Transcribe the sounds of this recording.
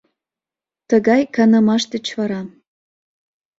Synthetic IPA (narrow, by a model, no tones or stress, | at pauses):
t̪ə̆ɣɑjkɑnə̆mɑʃt̪ə̆t͡ɕvɑɾɑ